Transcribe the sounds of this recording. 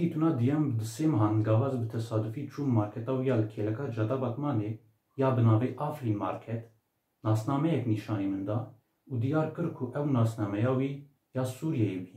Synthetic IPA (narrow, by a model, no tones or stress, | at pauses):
it̪unɑd̪ijɛmbd̪əsemɦɑnd̪ɡɑvɑzbət̪ʰɛsɑːd̪ufit͡ʃʰummɑɾkʰɛt̪ɑwijɑləkʰɛlɛkɑd͡ʒɑt̪ɑbɑk̪mɑne | jɑbənɑːvɛʔɑfɾinmɑ̰ɾkʰɛt̪ | nɑsnɑmɛjɛkniʃɑːnimənd̪ɑ | ud̪ijɑːɾkəɾkʰuʔɛwnɑsnɑmɛjɑwi | jɑsuɾjɛjiwi